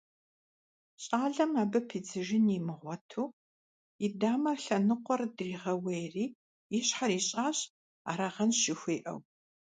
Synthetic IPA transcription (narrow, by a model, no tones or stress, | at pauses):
ɕʼaːɮɐmaːbɐpʰiːd͡zɨʒɪnimɨʁʷɔtʰuː | idaːmɐɬɐnɨqʷɔrdriːʁɐwejriː | iɕħaɾiːɕʼaːɕ | a̰ːɾaʁɐnɕɪxʷeːʔɐ̰w